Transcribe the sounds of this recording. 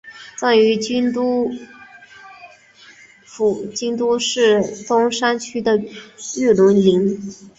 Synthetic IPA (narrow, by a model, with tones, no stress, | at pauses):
t͡sa˥˩y˧˥t͡ɕt̪u˥ | fu˨˩t͡ɕi˥ŋt̪u˥ʂɻ̩˥˩t͡s̪ʊ˥ŋʂa˥nt͡ɕʰy˥d̪ə˨y˥˩lʊ˧˥nli˧˥ŋ